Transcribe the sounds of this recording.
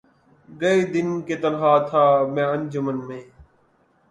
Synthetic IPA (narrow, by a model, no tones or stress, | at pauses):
ɡəeːd̪ɪnkeːt̪əlɦaːt̪ʰaːmɛ̃ːənd͡ʒəmənmẽː